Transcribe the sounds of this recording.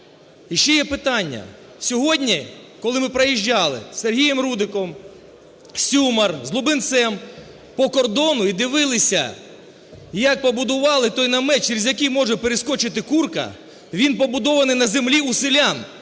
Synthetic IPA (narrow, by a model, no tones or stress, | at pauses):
iʃt͡ʃɛjɛpɪt̪ɑnʲːɐ̰ | sʲɔɦɔdʲnʲikɔlˠɪmɪpɾɐjiʒʲːɑlˠɪ̰serɦʲijɛmɾud̪ɪkɔm | sʲumɐrzlˠʊbɪnt̪sɛm | pɔkɔrd̪ɔnʊid̪ɪʋɪlˠɪsʲɐ | jɐk̚pɔbʊd̪ʊʋɑlˠɪt̪ɔjnɐmɛt͡ʃːeɾʲizʲjɐkijmɔʒɛpeɾeskɔt͡ʃɪt̪̬ɪkurkɐ̰ | ʋʲinpɔbʊd̪ɔʋɐnɪjnɐzemlʲiusɪlʲan